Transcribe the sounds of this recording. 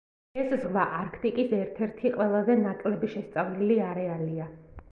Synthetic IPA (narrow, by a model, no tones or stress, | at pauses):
ɛszʁvaʔaɾkʰt̪ʼikʼisɛɾt̪ʰɛɾt̪ʰiqʼwɛlˠazɛnakʼlɛbiʃɛst̪sʼavliliaɾɛalia